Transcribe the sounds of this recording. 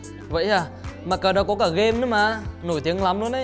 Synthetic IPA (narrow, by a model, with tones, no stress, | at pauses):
və̰˧˨jʔaː˨˩maː˨˩kaː˨˩ɗɔ˨˦kɔ˨˦kaː˧˩ɣe˧mnɨ˨˦maː˨˩ʔno˧˩jt̪i˨˦əŋla˨˦mlu˧˦ənʔə˨˦